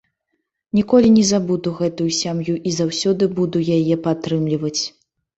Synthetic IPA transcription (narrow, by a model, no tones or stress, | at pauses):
nʲikɔlʲinʲɛzabud̪uɣɛt̪ujusʲamjuʔizawsʲɔd̪ɨbud̪ujajɛpat̪ːɾɨmlʲivɐt͡sʲ